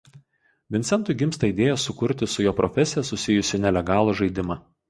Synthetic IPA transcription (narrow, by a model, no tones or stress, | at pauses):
ʋʲɪnt̪sʲɛnt̪ʊɪɡʲɪmst̪ɐɪd̪ʲeːjɛsʊkʊɾʲt̪ʲɪsʊjoːpɾɔfʲɛsʲɪjɛsʊsʲɪjʊsʲɪnʲɛlʲɛɡɑːlˠuʒɐɪd̪ʲɪmɑː